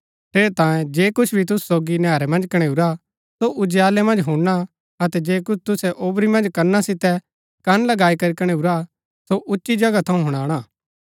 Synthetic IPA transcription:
ʈ̪ʰeːɾet̪ãːjẽd͡ʒeːkʊt͡ʃʰbʱit̪ʊssoːɡinjɛːɾɛmɐ̃nd͡ʒkɐɽ̃eːuɾa | soʔʊd͡ʒjaːlɛmɐ̃nd͡ʒɦũɽna | ɐt̪ɛd͡ʒeːkʊt͡ʃʰt̪ʊsɛʔoːbɾimɐ̃nd͡ʒkɐɾnasɪt̪ɛ | kɐnlɐɡaːikɐɾikɐɽ̃euɾa | soʔʊtːʃid͡ʒɐɡat̪ʰɐũɦʊɽ̃aːɽ̃aː

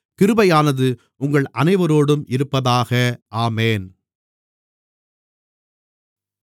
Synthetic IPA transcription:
kɪɾɯbɐjaːnɐðɯ | ʔʊŋɡɐɭʔɐnɐɪʋɐɾoːɽɯmʔɪɾɯpːɐðaːɣɐʔaːmeːn

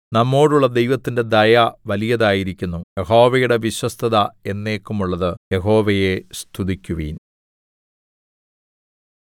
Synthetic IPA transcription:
nɐmːo̞ːɽuɭːɐd̪e̞jʋɐt̪ːinde̞d̪ɐjɐʋɐlijɐðaːjiɾikʲːunːujeɦo̞ːʋɐjuɽe̞ʋiɕwɐst̪ʰɐðɐe̞nːe̞ːkːumuɭːɐðɨje̞ɦo̞ːʋɐje̞st̪ʰuðikʲːuʋḭːn

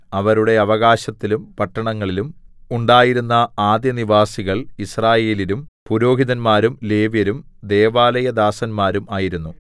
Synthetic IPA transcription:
ɐʋɐɾuɽe̞ɐʋɐɣaːɕɐt̪ːilumpɐʈːɐɳɐŋːɐɭilumuɳɖaːjiɾunːɐaːd̪jɐniʋaːsiɣɐɭisraːje̞ːlilumpuɾo̞ːɦiðɐnmaːɾumle̞ːʋjɐɾumd̪e̞ːʋaːlɐjɐd̪aːsɐnmaːɾumaːjiɾunːu

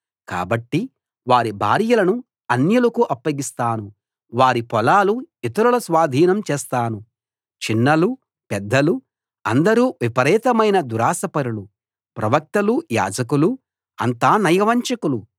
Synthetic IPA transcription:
ka̰ːbɐʈːi | ʋaːɾibʱa̰ːɾijɐlɐnu | ɐnjɐlukuʔɐpːɐɡist̪aːnu | ʋaːɾipɔlaːluit̪ɐɾulɐsʋaːd̪ʱiːnɐmt͡ʃɛːst̪aːnu | t͡ʃinːɐlu | pɛd̪ːɐlu | ɐnd̪ɐɾuːʋipɐɾɛːt̪ɐmɐjnɐd̪uɾaːsɐpɐɾulu | pɾɐʋɐk̚t̪ɐluja̰ːd͡ʒɐkulu | ɐnt̪aːnɐjɐʋɐɲt͡ʃɐkulu

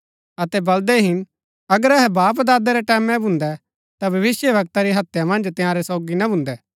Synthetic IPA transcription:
ɐt̪ɛbɐld̪ɛɦɪn | ɐɡəɾɛɦɛbaːp̬d̪aːd̪ɛɾɛʈɛːmɛ̃bʱʊ̃nd̪ɛ | t̪abʱɐʋɪsjəbɐk̚t̪aɾiɦɐt̪jamɐ̃nd͡ʒt̪ɪ̃jãːɾɛsɔːɡinɐbʱʊ̃nd̪ɛ

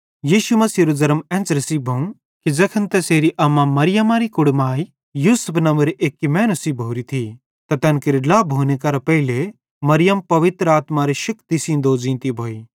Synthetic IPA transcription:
jiːʃumɐsiɾuzɐɾəmɛ̃ːnt͡sɾɐsiːbʱɐũ | kid͡ʒɐkʰɐnt̪ɛseːɾiʔɐmamɐɾɪjɐmaːɾikʊɽmaːi | juːsʊpʰnɐ̃mbəɾeːkːimɛːnusibʱoːɾit̪ʰi | t̪ɐt̪ɛːnkɪɾɪɖlaːbʱoːnekɐɾapɐɦɪle | mɐɾɪjəmpɐʋɪt̪ɾəaːt̪maɾeʃɐkt̪isĩnd̪oːd͡ʒĩːnt̪ibʱoːiː

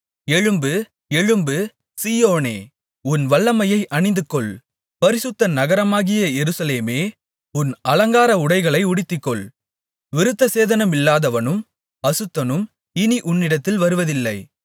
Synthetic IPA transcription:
ɛɻɯmbɯ | ɛɻɯmbɯ | siːjoːneː | ʊnʋɐɭːɐmɐjɐɪʔɐɳɪnd̪ɯkːɔɭ | pɐɾɪsɯt̪ːɐnɐɣɐɾɐmaːɣɪjɐjɛɾɯsɐleːmeː | ʊnɐlɐŋɡaːɾɐʊɽɐɪɣɐɭɐɪʊɽɪt̪ːɪkːɔɭ | ʋɪɾɯt̪ːɐseːðɐnɐmɪlːaːðɐʋɐnɯm | ɐsɯt̪ːɐnɯm | ɪniʔʊnːɪɽɐt̪ːɪlʋɐɾɯʋɐðɪlːɐɪ

